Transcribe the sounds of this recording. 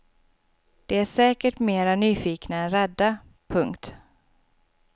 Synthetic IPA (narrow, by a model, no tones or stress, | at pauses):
d̪̥ɛæʂɛːkəʈmeːɾanyːfiːknaɛnɾɛd̪ːa | pʰɵŋkt̪